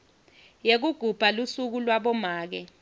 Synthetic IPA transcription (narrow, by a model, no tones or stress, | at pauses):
jek̬uɡ̥ʱub̥ʱalusuk̬ulwaɓɔmaːk̬ɛ